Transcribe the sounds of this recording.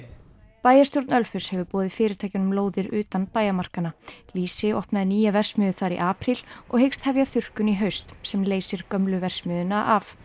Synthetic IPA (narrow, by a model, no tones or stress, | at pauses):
paːjast̪joɾt̪nœlfʏ̥shɛvʏpɔːðɪfɪːɾɪɾt̪ʰajcɪnʏmloːwðɪɾʏːt̪anpaːjamar̥kanaliːsɪɔhpnaðɪniːjavɛr̥smʏːðʏθaɾḭʔaːpɾil̥ɔɣhejkst̪havjaθʏr̥kʏniɦœɥst̪sɛmleːjsɪɾ̥kœmlʏvɛr̥smʏːðʏnaʔaf